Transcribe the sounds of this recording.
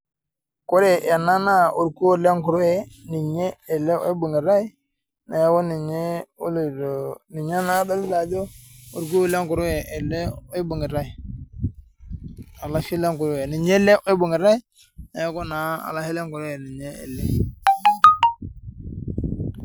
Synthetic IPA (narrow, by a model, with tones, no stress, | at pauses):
kʊ˦ɾɛ˨ja˨na˦na˦o˨ɾku˦o˦le˦ŋkʊ˨ɾʊ˦ɛ˨ni˨ɲe˦ɛ˨lɛ̰˦i˦bu˨ŋi˨ɾa˦i˦ | na˨˦kɔ˦ni˨ɲe˦u˦lu˨ɾo˨ni˨ɲa˦na˦da˦lla˨do˦u˨ɾk̬u˦o˦le˦ŋkʊ˨ɾɛ˨ʔɛ˨lɛ˦i˦bu˨ŋɪ˨ɾa˦i˨ | a˨la˦ʃi˦le˦ŋkʊ˨ɾje˨ni˨ɲe˦le˦ʔo˦i˦bu˨ŋɪ˨ɾa˦i˦ | na˨˦ko˦na˨a̰˨la˦hi˦le˦ŋkʊ˨ɾjɛ˨ni˨ɲe˦ɛ̰˨lɛ˦